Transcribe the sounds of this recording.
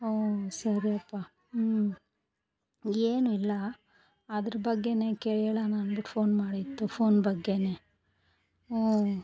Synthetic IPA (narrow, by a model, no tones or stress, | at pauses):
oːsɐɾiɐpːa | eːnuilːɐː | d̪ɐɾɐbɐɡːe̞ne̞ːkeɭɛɭanaːnbiʈpʰo̞ːnmaːɽit̪ːupʰo̞ːnbɐɡːe̞ne̞ | oː